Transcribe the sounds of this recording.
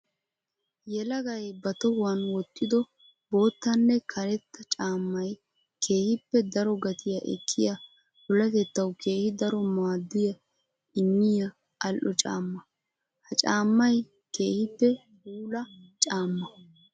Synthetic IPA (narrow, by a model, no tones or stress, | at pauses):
jɛlɐɡɐjbɐt̪ɔwɐnwɔt̪ʼːɪd̪ɔ | bo̞ːt̪ːɐnːɛkʰɐɾɛt̪ːɐt͡ʃʼaːmːɐj | kʰe̞ːhɪpːɛd̪ɐɾɔɡɐt̪ʰɪjɐʔɛ̰kʰːɪjɐ | bʊlɐt̪ɛt̪ːɐwke̞ːhɪd̪ɐɾɔmaːd̪ːɪjɐ | ɪmːɪjɐ | ɐlʔɔt͡ʃʼa̰ːmːɐ | hɐt͡ʃʼaːmːɐj | ke̞ːhɪpːɛ | huːlɐt͡ʃʼaːmːɐ